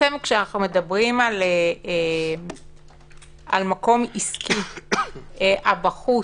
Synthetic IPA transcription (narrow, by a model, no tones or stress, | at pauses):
emkʃeanaχnume̞dɐbʁimalee | ʔa̰lmako̞miskʰi | ʔeʔabaχu